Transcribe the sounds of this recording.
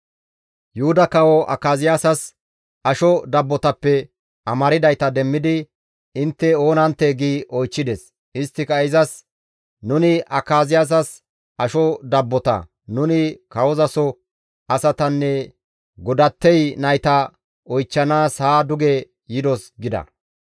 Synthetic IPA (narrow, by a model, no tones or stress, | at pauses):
jʊʊd̪ɐkɐwɔʔɐ̰kːaːzɪjasɐs | ʔɐʃɔd̪ɐbːɔt̪ɐpːɛ | ʔɐmɐɾɪd̪ɐjt̪ɐd̪ɛmːɪd̪ɪ | ɪnt̪ːɛo̞ːnɐnt̪ːeɡiːʔɔjt͡ʃːɪd̪ɛs | ɪst̪ːɪkɐɪzɐs | nʊnɪʔɐkːaːzɪjas̬ɐs | ʔɐʃɔd̪ɐbːɔt̪ɐ̰ | nʊnɪkɐwɔzɐsɔ | ɐsɐt̪ɐnːɛ | ɡɔd̪ɐt̪ːɛjnɐjt̪ɐ | ɔjt͡ʃːɐnaːshaːd̪ʊɡɛ | jɪd̪ɔsɡɪd̪ɐ̰